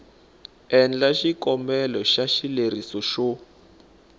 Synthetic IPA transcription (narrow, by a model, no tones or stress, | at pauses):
ɛnd͡ɮaʃikɔmbɛlɔʃaʃileɾisɔʃɔ